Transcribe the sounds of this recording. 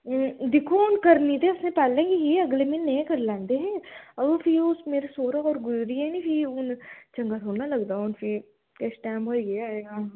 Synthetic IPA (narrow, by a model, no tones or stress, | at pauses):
d̪ɪkʰoʊnkɐɾnit̪eʊsnẽpaːlːẽɡiɦiɐɡlemɪnːɐ̃ĩkɐɾlãːnd̪eɦɛ̃ːɐʋofʰiʊsmeːɾasoːɾaɔːɾɡʊzɾiɦɛnĩpʰiʊnt͡ʃɐ̃ŋɡat̪ɦoːnalɐɡd̪aːʊnfʰɪ | kɛsʈɛːmoːɡɐaːeːɡaː